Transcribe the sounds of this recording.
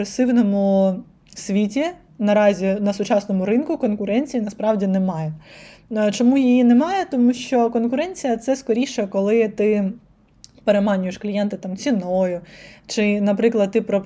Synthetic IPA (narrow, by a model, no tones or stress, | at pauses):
ɾesɪwnɔmʊ | sʲʋʲitʲi | nɐɾɑzʲinɐsʊt͡ʃɑsnɔmʊɾɪnkʊkɔnkʊɾɛnʲt͡sʲijinɐspɾɑwdʲinɛmɑjɛ | t͡ʃɔmujijinɛmɑjɛt̪ɔmuʃt͡ʃɔkɔnkʊɾɛnʲt͡sʲijɐt̪sɛskɔɾʲiʃɛkɔlˠɪt̪ɪ | peɾemɑnʲʊjeʃklʲijɛnt̪ɪt̪ɑmt͡sʲinɔjʊt͡ʃɪnɐpɾɪklˠɐd̪̚t̪ɪpɾɔ